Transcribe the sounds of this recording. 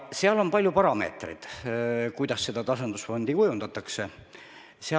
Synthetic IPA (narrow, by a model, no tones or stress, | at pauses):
seɑlo̞mpɑlʲjupɑɾɑme̞̰ːt̪rḭd̪̥kujd̪̥ɑsːe̞d̪ɑt̪ɑsɑnd̪̥usfo̞nd̪̥ikujund̪̥ɑt̪ːˑɑkse̞ | seɑ